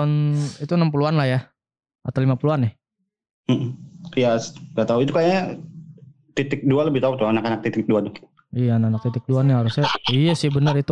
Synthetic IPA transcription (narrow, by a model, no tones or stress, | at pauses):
ɔnit̪unəmpuluanlahja | at̪awlimapuluanɪh | m̩jaŋɡat̪auit̪ukaja | t̪it̪ɪk̚dualəbɪht̪aut̪uanakanak̚t̪it̪ɪk̚duad̪ʊ | ijaːnaanak̚t̪it̪ɪk̚duanaɦaɾusɲaijasɪhbənərit̪u